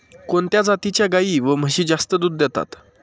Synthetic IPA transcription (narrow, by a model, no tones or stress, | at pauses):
kont̪jad͡zat̪it͡ɕjaɡaiːʋəm̤əɕiːd͡zast̪əd̪uːd̪ːjɛt̪a̰t̪